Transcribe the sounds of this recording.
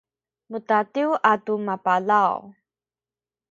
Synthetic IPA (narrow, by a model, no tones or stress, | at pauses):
mutatiwʔatumapalaw